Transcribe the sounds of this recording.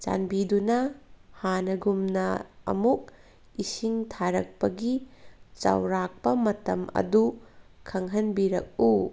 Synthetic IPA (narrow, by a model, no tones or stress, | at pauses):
t͡ʃa̰nbidunɐhanɐɡumnɐɐ̰muk̚ | isiŋtʰaɾɐk̚pɐɡit͡ʃɐ̰wɾak̚pɐmɐtɐmɐ̰dukʰːɐŋɦɐnbiɾɐ̰k̚u